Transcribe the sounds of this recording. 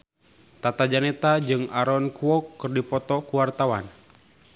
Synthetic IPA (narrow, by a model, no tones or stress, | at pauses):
t̪at̪ad͡ʒanɛt̪ad͡ʒɨŋaɾɔnkuɔkːɨrdipɔt̪ɔkuwart̪awa̰n